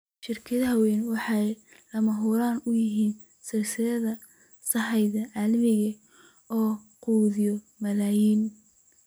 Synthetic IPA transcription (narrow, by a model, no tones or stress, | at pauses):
ʃɪrkʰɐðɐhɐwɛːnwɑħɑjlɐmɐɦuɾaːnʊjɪɦiːn | sɐrsɪɾɐðɐ | sɐħɑjðɐʕɑlɐmɪɣɐ | ɔː | quːðɪjɔ | mɐlaːjiːn